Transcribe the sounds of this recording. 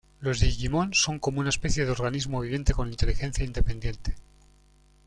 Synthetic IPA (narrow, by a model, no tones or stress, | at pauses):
lo̞zðeɣimõ̞nso̞ŋko̞mounae̞spe̞θjeðeo̞ɾɣanizmoeβiðje̞nt̪e̞ko̞nint̪e̞lixẽ̞n̟θjaind̪e̞pẽ̞nd̪je̞nt̪e̥